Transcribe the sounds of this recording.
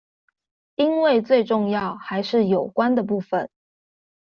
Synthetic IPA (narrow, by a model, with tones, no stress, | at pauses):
i˥nwe˥˧ɪt͡swe˥˧ɪʈ͡ʂʊ˥˧ŋjɑ˥˩ʊxa˧˥ɪʂɻ̩˥˩jo˨˩ʊkwa˦nd̪ə˨p̬u˥˩fə˨˩n